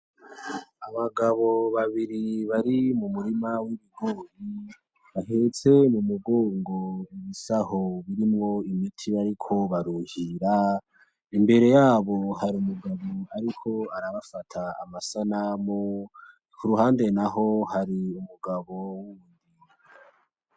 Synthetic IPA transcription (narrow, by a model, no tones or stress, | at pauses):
aβaɡaβo̞βaβiɾiβaɾimumuɾimawiβiɡoːji | βahet͡se̞mumuɡoːŋɡoiβisahoβiɾimŋo̞imitʰiβaɾikʰo̞βaɾuhiɾa | imbe̞ɾe̞jaːβo̞haɾiumuɡaβoaɾikʰo̞aɾaβafatʰa̰ːmasanamo | kʰuɾuɦaːnde̞naɦo̞haɾiumuɡaβo̞wwuβuːndi | a